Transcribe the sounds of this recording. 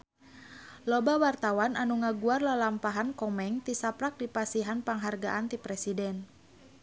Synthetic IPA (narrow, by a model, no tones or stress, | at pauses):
lɔbawart̪awananuŋaɡuarlalampaɦankɔmɛŋt̪isapɾak̚dipasiɦanpaŋɦarɡa̰ʔant̪ipɾɛsidɛn